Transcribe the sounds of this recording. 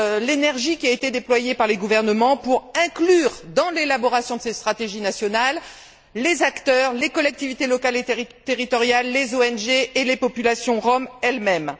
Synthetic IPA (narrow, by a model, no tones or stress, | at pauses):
lenɛʁʒikʲiaet̪ed̪eplwajepaʁleɡuvɛʁnəmɑ̃puʁɛ̃klyːʁd̪ɑ̃lelabɔʁasjɔ̃d̪əsest̪χat̪eʒinasjɔnalː | ezakt̪œʁlekɔlɛk̚t̪ivit̪elɔkalet̪eʁit̪ɔʁjalːezoɛnʒeːlepɔpylasjɔ̃ʁɔmɛlmɛm